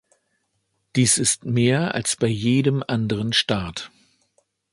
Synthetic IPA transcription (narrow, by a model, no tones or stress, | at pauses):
d̥iːsɪstmeːɐa̰lsb̥aɪjeːdəmʔandəʁ̞ənʃtaːt